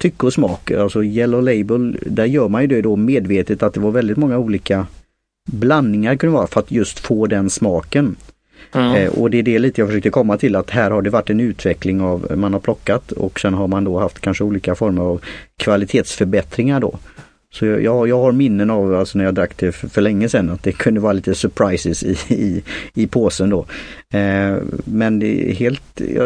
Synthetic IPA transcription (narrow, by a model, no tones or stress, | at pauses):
t̪ʰʏkːɔsmɑ̰ːkalsɔjɛlɔlɛɪbəld̪æɾjœːɾmanjɵd̪ɛd̪ɔmeːd̪veːt̪ət̪at̪̚d̪ɛvaɾvɛld̪ɪt̪mɔŋːauːliːka | blanːɪŋaɾkʰanəvɑːɾafœɾat̪jɵst̪foːd̪ɛnsmɑːkən | ʔɔ̰d̪ɛɖɛliːt̪əjɑɡfœʂøːk̚t̪əkʰɔmːat̪ʰɪlat̪ɦæːɾhaɖɛvaʈːɛnʉ̟ːt̪ʰvɛklɪŋavmanhaɾpʰlɔkːat̪ɔ̰ksɛnɦaɾmand̪ɔhaft̪kʰanʂəuːliːkafɔɾməɾavkʰvalɪt̪ʰeːt̪sfœɾbɛt̪ɾɪŋaɖɔ̰ | sɔjɑjɑːjɑːɡhaɾmɪnːənavalsɔnæɾjaːd̪ɾakːt̪ɛfœɭɛŋːəsɛnːat̪̚d̪ɛkʰɵnd̪əvɑːɾaliːt̪əsœɾpʰɾaɪsɪsɪɪɪpʰoːsənd̪ɔ | mɛnd̪ɛ̰ɦeːlt̪j̰